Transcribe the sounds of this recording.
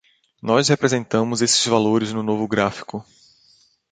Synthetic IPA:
nɔshepɾezẽnt̪ɐ̃mʊzesɪ̥zvaloɾɪznʊnovʊɡɾafi̥kʊ

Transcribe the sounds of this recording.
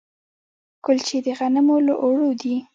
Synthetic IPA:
kʊlt͡ʃed̪əɣanəmoləʔoɽod̪i

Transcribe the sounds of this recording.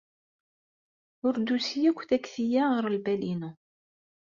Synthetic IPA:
ʊɾd̪usjækʷːθækθijaʁəɾəlbælinu

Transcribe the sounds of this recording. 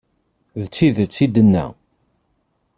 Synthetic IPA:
ðət͡sːiðt͡sːid̪ənːæ̰

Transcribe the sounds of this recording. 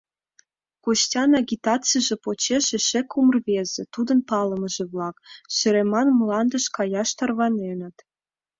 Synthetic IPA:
kostʲɑnɑɡʲit̪ɑt͡sijʒĕpot͡ɕeʃĕʃekumərβezĕt̪ud̪ə̆npɑləməʒĕβlɑkʃɘ̆ɾemɑnmlɑnd̪ə̆ʃkɑjɑʃt̪ɑrβɑnenə̆t̪

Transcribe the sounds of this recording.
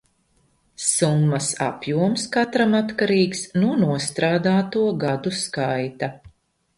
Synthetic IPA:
sumːɐsa̰pjuɔmskat̪ɾamat̪kaɾiːksnuɔnuɔst̪ɾaːd̪aːt̪uɔɡad̪uskajt̪a

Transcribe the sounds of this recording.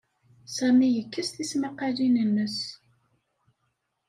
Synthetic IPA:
sæmijəkːəst̪isməqalinənːəs

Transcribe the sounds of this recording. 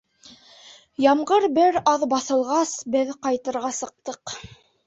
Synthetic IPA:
jɑmʁɤɾbɘɾɑðbɑθɤ̆lˠʁɑsbɘðqɑjt̪ɤ̆ɾʁɑsɤ̆q̚t̪ɤq

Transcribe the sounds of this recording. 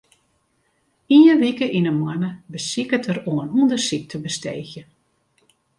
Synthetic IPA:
iəʋikəʔinəmanəbəsikətʰəɾoənundəsik̚tʰəbəsteːxjə

